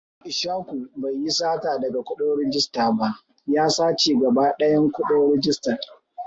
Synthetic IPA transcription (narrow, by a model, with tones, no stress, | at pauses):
ʔɪ˨ʃaː˦kʷu˨ba˨jːi˦saː˦taː˨dɐ˨ɡa˨kʷʊ˦ɗoː˦ɽɪ˦d͡ʒɪ˦staː˨ba˦ʔ | jaː˦saː˦t͡ʃeː˨ɡɐ˨baː˦ɗɐ˦jɐ˦ŋkʷʊ˦ɗoː˦ɾɪ˦d͡ʒɪ˦stɐ˨